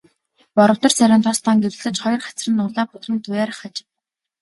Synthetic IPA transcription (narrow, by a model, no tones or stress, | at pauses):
pɔɾɞ̆w̥t̪ɞ̆rsæɾʲaːnt̪ʰɔst̪aːŋɡew̆ɮɘ̆t͡ɕχɔjɞ̆rχat͡s̆rɘ̆nːʊɮaːpʊt̪rə̆nt̪ʊjæːɾ̆χat͡ɕ